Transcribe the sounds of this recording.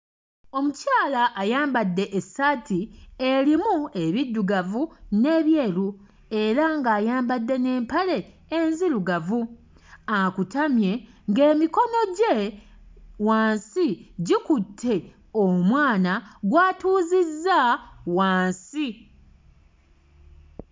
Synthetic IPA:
o̞mucaːlaʔːjaːmbadːe̞ʔesatieɾimue̞βidːuɡavune̞ːβje̞ːlu | e̞ɾaŋɡaːjaːmbadːe̞ne̞ːmpale̞ː | nziɾuɡavu | akutamje̞ | ŋɡe̞ːmiko̞no̞ɟe̞ | waːnsiɟikutʰːe̞ | omwaːnaɡwaːtuːzizːawaːnsi

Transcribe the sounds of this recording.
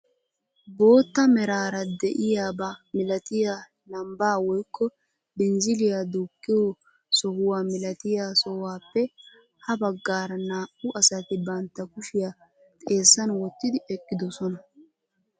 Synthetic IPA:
bo̞ːt̪ːɐmɛɾaːɾɐd̪ɛʔɪjaːbɐmɪlɐt̪ɪjaː | nɐmbaːwɔjkʰːɔ | bɛnzɪlɪjad̪uːkʼːɪjo | sɔhʊwaːmɪlɐt̪ɪjaːsɔhwaːpːɛ | hɐbɐɡːaːɾɐnaːʔʊʔɐsɐt̪ɪbɐnt̪ːɐkʊʃɪja | t̪ʼe̞ːsːɐnwɔt̪ːɪd̪ɪɛkʼːɪd̪ɔsɔnɐ

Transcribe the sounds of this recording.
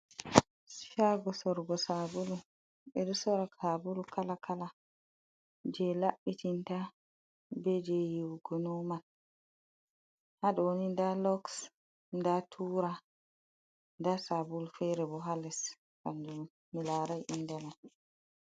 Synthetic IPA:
ʃaɡɔsɔɾɡɔsabulu | ɓɛɗusɔɾakʰabulukalakʰala | d͡ʒɛlaɓːitinta | bɛd͡ʒɛjiwɡɔnɔman | haɗɔnindalɔks | ndatʰuːɾa | ndasabulfɛɾɛbɔɦalɛs | kand͡ʒu | milaːɾajʔinːdɛman

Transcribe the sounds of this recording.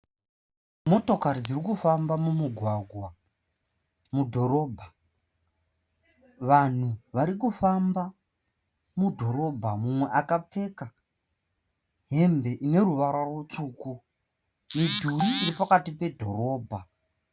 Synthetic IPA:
mo̞to̞kaɾid͡zirikufambamumuɡʱwaɡʱwa | mudʱo̞ɾo̞ːbʱa | ʋan̤uʋaɾik̬ufamba | mudʱo̞ɾo̞bʱamumwe̞ʔakap͡fe̞ka | ɦe̞mbe̞ʔine̞ruʋaɾarot͡suːku | idʱuriːripakatipe̞dʱo̞ɾo̞ːbʱa

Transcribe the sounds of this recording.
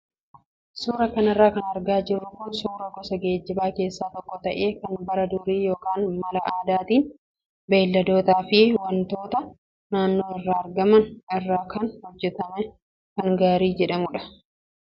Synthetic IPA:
suːɾɐkɐnɐrːaːkɐnɐɾɡaːd͡ʒɪɾʊkʊnsuːɾɐkɔsɐɡe̞ːd͡ʒːɪbaːke̞ːsːaːt̪ɔkːɔt̪ɐʔe̞ːkɐnbɐɾɐd̪ʊɾiːjoːkaːnmɐlɐʔaːd̪aːt̪iːn | be̞ːlːɐd̪o̞ːt̪aːfɪwɐnt̪o̞ːt̪ɐ | naːnːo̞ːɪrːaːɐɾɡɐmɐnɪrːaːkʰɐnhɔd͡ʒːɛt̪ɐmɛ | kɐŋɡaːɾiːd͡ʒɛᶑɐmʊᶑɐ̥

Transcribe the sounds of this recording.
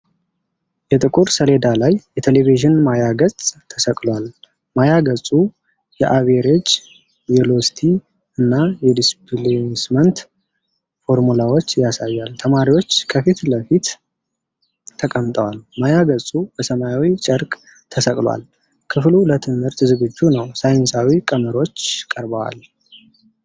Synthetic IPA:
jɛt̪ʼɨkʼuɾsəle̞d̪alajjɛt̪ʰeleviʒɨnmajaɡət͡sʼt̪ʰəsəkʼlwal | majaɡəsʼu | jɛʔaβeɾet͡ʃː | jɛlo̞st̪ʰi | ɨnːajɛd̪isbɨlesmənt̪ | fo̞ɾmulawo̞t͡ʃːjasajːalt̪ʰəmaɾiwo̞t͡ʃːkʰəfit̪ləfit̪ | əkʼəmt̪ʼəwalmajaɡəsʼub̥əsəmajawit͡ʃʼəɾkʼ | t̪ʰəsəkʼlwa̰l | kʰɨflulət̪ʰɨnɨɾt̪zɨɡɨd͡ʒːunəwsajɪnsawikʼəməɾo̞t͡ʃːkʼəɾbəwa̰l

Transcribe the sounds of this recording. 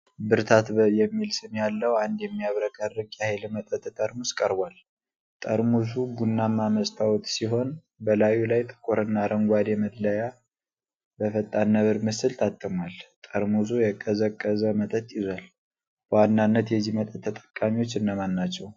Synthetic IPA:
bɨɾt̪ʰat̪jɛmːilsɨnjalːəwand̪jɛmːijaβɾəkʼarːɨɡjahjlmət̪ʼət̪ʼt̪ʼəɾmuskʼəɾbʷal | t̪ʼəɾmus̬uɡunːamːaməst̪ʰawt̪siɦo̞n | bəlajulajt̪ʼɨ̥kʼːoɾɨnːaɾʔəŋɡʷad̪jɛməd̪ləja | bəfət̪ʼːanːəβɨɾmɨsɨlt̪ʰat̪ʼːɨmwalt̪ʼəɾmus̬ujɛkʼːəzəkʼːəzəmət̪ʼət̪ʼjɪzʷal | b̥əwanːanːət̪jɛzimət̪ʼət̪ʰːət̪ʼə̥kʼːamiwo̞t͡ʃːɨnːamanːat͡ʃːɛw

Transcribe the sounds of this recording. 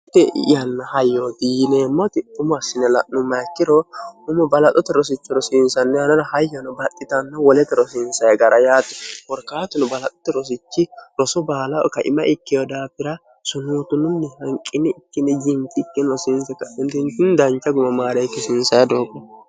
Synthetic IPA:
t̪ːɛ̰jɐnːɐhɐjːod̪iːneːmːɔt̪ɪʊmɐsːɪnɛlɐʔnʊmːɐkːɪɾɔʊmɔbɐlɐt̪ʼɔt̪ɛɾɔs̬ɪt͡ʃːɪɾɔsɪnsɐnːɛhɐnɐɾɐhɐjːɐnʊbɐt̪ʼːɪt̪ɐnːɐwɔlɛt̪ːɛɾɔsɪnsɐjɡɐɾɐjaːt̪ɛ̥wɔɾkaːt̪ɪnʊbɐlɐt̪ʼɔ̥t̪ːɛɾɔs̬ɪt͡ʃːɪɾɔsɔbaːlɐ̰kɐʔɪ̰mɐʔɪkːɪjɔd̪aːpːɪɾɐ | sʊnuːt̪ʊnʊnːɛhɐŋkʼːɪnɛɪkːɪnːɛd͡ʒɪŋkɪkːɪnɾɔsɪnsɛkːɐɪnt̪ɪnt̪ɪnd̪ɐnt͡ʃːɐɡʊmɐmaːɾɛkːɛsɪnsɐjɐd̪oːkʼːɔ

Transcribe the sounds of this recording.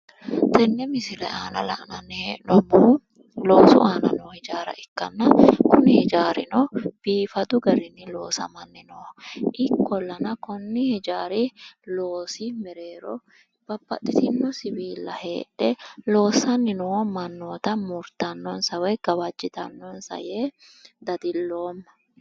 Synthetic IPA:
t̪ɛnːɛmɪsɪlɛʔaːnɐ̰lɐ̰ʔnɐnenɔbuː | lo̞ːsʊ̰ʔaːnɐ̰nɔhɛd͡ʒaːɾɐ̰ʔɪkːɐnːɐkʊnɪhɛd͡ʒaːɾɪnɔb̥iːfɐd̪ʊɡɐɾɪnːɪlo̞ːsɐ̰mɐnːɪnɔʔɪkːɔlːɐnɐkɔnːɪhɛd͡ʒaːɾɪlo̞ːsɪmɛɾe̞ːɾɔ | b̥ɐbːɐ̰t̪ʼːɪt̪ɪnːɔsɪwiːlːɐhe̞̰ːᶑɛlo̞ːsɐnːɪnɔmɐnːoːt̪ɐmʊɾt̪ːɐnːɔnsɐwɛɡ̥ɐwɐd͡ʒːɪt̪ɐnːɔnsɐ̰jeː | d̪ɐd̪ɪlːo̞ːmːɐ

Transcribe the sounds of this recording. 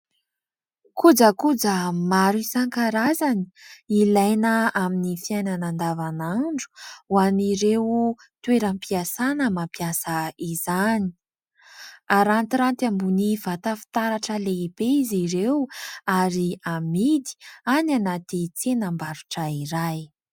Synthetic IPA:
kud͡zəkud͡zəmaɾisaŋkaɾazani̥ilajnəaminifiajnanand̪avanaɳɖ͡ʐu̥waniɾew | t̪weɾəmpiasanəmampjasaizani̥ | aɾant̪iɾant̪ambunivat̪afi̥t̪aɾaʈ͡ʂəleibeiziɾewaɾiamid̪i̥ananat̪it͡senambaɾuʈ͡ʂəiɾaj

